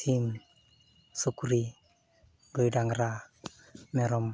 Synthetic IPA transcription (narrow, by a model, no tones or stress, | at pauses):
tʰim | sukuɾi | dujdaŋɾa | meɾɔm